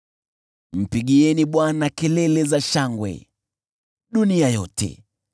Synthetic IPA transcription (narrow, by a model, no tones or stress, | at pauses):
m̩piɠiɛniɓwanakɛlɛlɛzaʃaŋɡwɛ̰ | ɗuniajɔtʰɛ̰